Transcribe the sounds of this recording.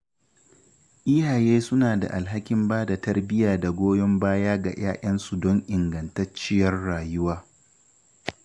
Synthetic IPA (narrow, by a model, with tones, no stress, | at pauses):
ʔiː˦haː˨jeː˦sʊ˦naː˨da̰˨ʔa˨lɦa˦kʲɪ˦mbaː˦da˨tɐ˦rbɪ˦jaː˨da˨ɡʷoː˦jɔ˦mbaː˦jaː˦ɡa̰˨j̰a̰ː˦ʔɐ˦nsu˨dɔ˦ŋʔɪ˨ŋɡɐ˨ntɐ˦t͡ʃɪ˦jɐ˦rːaː˨jʊ˦waː˦